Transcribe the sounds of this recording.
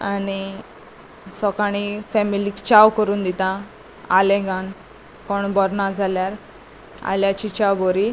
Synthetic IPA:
ani | sɔkaɽ̃ifɛmilikt͡ɕawkəɾuːnd̪it̪ã | alẽɡan | koɳbɔɾnad͡zʱaljaɾ | a̰ljat͡ɕit͡ɕawboɾi

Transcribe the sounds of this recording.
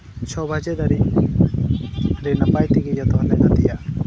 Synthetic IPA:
t͡ʃʰɔbʱad͡ʒɛd̪aɾi | ɾɛnapajt̪iɡid͡ʒat̪ɔɦlɛnad̪ija

